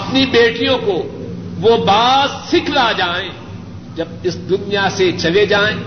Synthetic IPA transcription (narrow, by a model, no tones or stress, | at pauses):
ɐpnibeːʈijõkoʋobaːzsɪkʰlad͡ʒaːẽː | d͡ʒɐb̚ɪsd̪ʊnijaset͡ʃɐled͡ʒaːẽː